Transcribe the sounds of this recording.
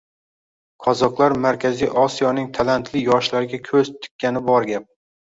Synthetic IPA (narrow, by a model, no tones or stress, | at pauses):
qʰɒzɒqlˠaɾmaɾkʲʰazijʔɒsijɒnɪŋt̪ʰalant̪ʰlɪjɒʃlaɾɪɡʲakʲʰɵzt̪ʰɪ̥kʲʰːanɪbɒɾɡʲap̚